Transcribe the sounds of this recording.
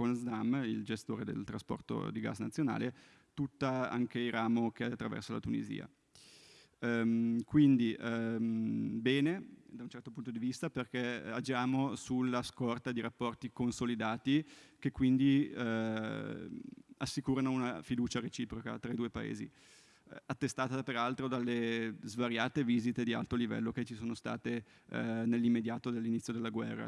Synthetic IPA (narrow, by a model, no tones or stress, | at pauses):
onzd̪amːild͡ʒest̪oːɾed̪ḛlt̪ɾaspɔ̰rt̪o̰d̪iɡa̰znat̪sːjona̰ːle | t̪ut̪ːaa̰ŋkeiɾaːmok̟eaat̪ːɾavɛ̰rsola̰t̪unḭzḭːa̰ | kwind̪iʔmbɛːned̪aunt͡ʃɛrt̪opunt̪od̪ivist̪aperkead͡ʒaːmosulːaskɔrt̪ad̪iɾapːɔrt̪ikonsolid̪aːt̪ik̟ekːwind̪i | asːikuːɾanounafid̪uːt͡ʃaɾet͡ʃiːpɾoka̰t̪ɾaid̪uːepa̰ḛːzḭ | at̪ːest̪aːt̪apeɾalt̪ɾod̪alːezvaɾjaːt̪eviːzit̪ed̪ia̰lt̪olivɛ̰lːoket͡ʃisoːnost̪a̰ːt̪e | nelːimːed̪jaːt̪od̪alːinit̪sːjod̪elːaɡwɛ̰rːa̰